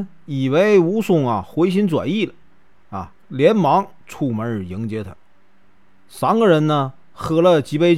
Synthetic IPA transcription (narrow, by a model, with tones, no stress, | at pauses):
i˨˩we˧˥ɪu˧˥sʊ˥˩ŋɐ˨xwe˧˥ɪɕ̬i˧˥nt͡swa̰˨˩ni˥˩lə˨˦ | ɐ̰˧ | ljɛ˧˥nmɑ˧˥ŋ | ʈ͡ʂʰu˥˩mə˧˥˨ji˧˥ŋt͡ɕjɛ˧˥t̪ʰə˧˦ | sa˧˥nɡə˧ɻə˧˥nnə˧ | xɤ˧˥lə˧t͡ɕi˧˥pe˧ɪ